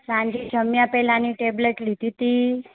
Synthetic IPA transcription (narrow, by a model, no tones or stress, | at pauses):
sãɲd͡ʒid͡ʒʱəmjãpɛlaniʈebleʈlit̪it̪i